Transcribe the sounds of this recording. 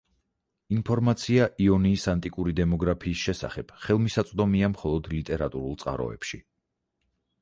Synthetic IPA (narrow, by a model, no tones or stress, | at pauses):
inpʰɔɾmat̪sʰiaʔiɔniːsant̪ʼikʼuɾid̪ɛmɔɡɾapʰiːsʃɛsa̰χɛb̥χɛlˠmisat̪sʼd̪ɔmiamχɔlˠɔd̪lit̪ʼɛɾat̪ʼuɾulˠt̪sʼqʼa̰ɾɔ̰ɛ̰pʃi